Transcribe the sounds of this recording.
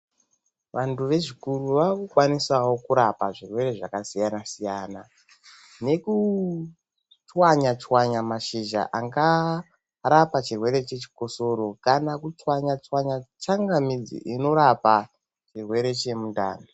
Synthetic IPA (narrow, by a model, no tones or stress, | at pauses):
ʋantuʋe̞ʐikuruʋakukwanisawo̞kuɾapaʐirwe̞ɾe̞ʐakasijanasijana | ne̞ku | t͡ʃwaɲat͡ʃwaɲamaʃiʒa̰ʔaŋɡa | ɾapat͡ʃirwe̞ɾe̞t͡ʃe̞t͡ʃi̥ko̞so̞ɾo̞kanakut͡ʃwaɲat͡ʃwaɲat͡ʃaŋɡamid͡zḭʔino̞ɾapa | t͡ʃirwe̞ɾe̞t͡ʃe̞munda̰ːni